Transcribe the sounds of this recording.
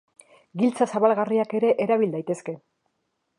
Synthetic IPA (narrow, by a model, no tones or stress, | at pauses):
ɡilt͡sasaβalɣariake̞ɾe̞ʔeɾaβild̪ajt̪e̞ske̞